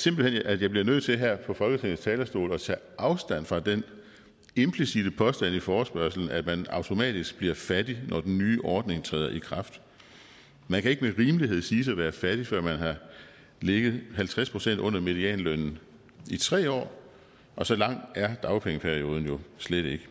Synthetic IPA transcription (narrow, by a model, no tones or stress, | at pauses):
se̝mb̥l̩enʔæjɑ̈ɪb̥liɐnøð̞̰ˠt͡sʰe̝lɦæɐ̰pʰɒ̽fɒlɡ̥ət͡sʰeŋ̰n̩st͡sʰɛːlɐsd̥o̝̰ːlɒ̽t͡sʰɛ̰ːʔɑ̈ʊsd̥æn̰fʁɑ̈d̥en | e̝mpʰlisid̥əpʰɒ̽sd̥æn̰ifɒːsb̥ɶɐsl̩n̩æmænɑ̈ʊt͡sʰo̝mɛ̰ːd̥isɡ̥̚b̥liɐfæd̥inʔɒd̥en̩nyːʔɒːd̥ne̝ŋt͡sʰʁɛ̰ːð̰ɐʔikʰʁɑ̈fd̥ | mænkʰæe̝ɡ̥əmeʁiːmliɦe̝ð̞̰ˠsiːsɒʋæːɐfæd̥ifɶɐ̰mænɦɑ̈ | leɡ̥ð̩ˠhælt͡sʰʁɛspʰʁo̝sen̰d̥ɔ̽n̰ɐme̝ðˠiɛ̰ːnlønn̩ | it͡sʰʁɛ̰ːɒ̰ː | ʔɒ̽sɒ̽lɑ̈ŋ̰æɐd̥ɑ̈ʊpʰeŋəpʰæɐio̝ːð̞ˠn̩jo̝sleɾ̥e̝ɡ̥ə